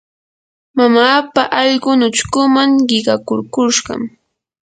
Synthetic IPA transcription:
mamaːpaʔɑʎɢʊnʊt͡ʃkʊmaŋɢɪɢɑkʊɾkʊʃɢɑ̰m

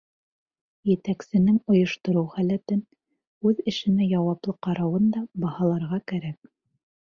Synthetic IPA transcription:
jɘ̆t̪æksɘ̆nɘŋŏjŏʃt̪ŏɾɤwχælæt̪ɘn | ʉðɘ̆ʃɘ̆næjɑwɑplˠɤqɑɾɑwɤnd̪ɑbɑhɑlˠɑɾʁɑkæɾæk̚

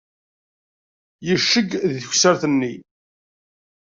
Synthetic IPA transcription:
jəʃːəɡðθəçsəɾθənːi

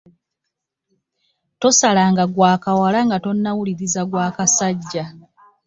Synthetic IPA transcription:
to̞salaːŋɡaɡwaːkawalaŋɡato̞nːawuliɾizaɡwaːkasaɟːa

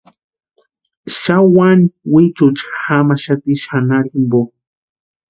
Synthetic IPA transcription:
ʃawaniwit͡ʃut͡ʃxamaʃat̪iʃanaɾimbo

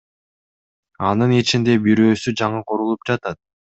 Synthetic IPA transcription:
ɑnɯnit͡ʃind̪e̞biɾø̞ːsyd͡ʒɑɴɯqʰoɾulˠup̚d͡ʒɑt̪ɑt̪̚

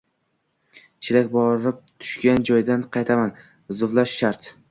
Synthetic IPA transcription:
t͡ʃʰɪɾakʲbɒɾɪp̚t̪ʰʊ̥ʃkʲand͡ʒɒjd̪anqʰɑjt̪ʰaman | zʊvlaʃːaɾt̪

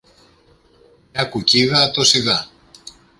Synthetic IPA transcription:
ɲɐkuciðɐt̪osiðɐ

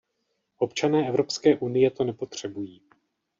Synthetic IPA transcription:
ʔo̞pt͡ʃanɛːʔɛvɾo̞pskɛːʔunɪjɛt̪o̞nɛpo̞t̪r̝̥ɛbujiː

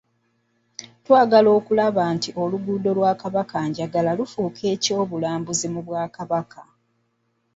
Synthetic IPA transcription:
twaːɡalo̞ːkulaβaːntiʔo̞luɡuːdo̞lwaːkaβakaɲɟaɡalalufuːkʰe̞ːco̞ːβulaːmbuzimuβwaːkaβakʰa

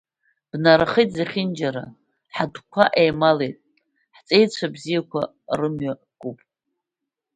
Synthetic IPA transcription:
b̥naɾaχijtʼzaχʲɪnd͡ʒaɾa̰ | ħadkʷʰaʔejmalejtʼ | ħt͡sʼejt͡ɕʷʰabzijakʷʰa̰ | rɨmɥa | kʷʼupʼ

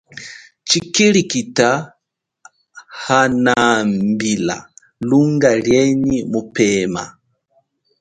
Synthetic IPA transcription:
t͡ʃikilikita | hanambila̰ | luŋɡaljɛnimupɛma̰

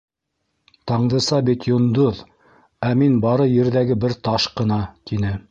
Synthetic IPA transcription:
t̪ɑɴd̪ɤ̆sɑbit̪jŏnd̪oð | æminbɑɾɤjɘ̆ɾðæɡɘbɘɾt̪ɑʃqɤ̆nɑt̪inɘ

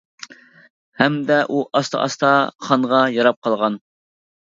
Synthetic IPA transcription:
hɛmd̪ɛʔuʔɑst̪ʰɑ̰ʔɑ̰st̪ʰɑχɑɴʁɑjɑɾɑp̚qʰɑlˠʁɑn

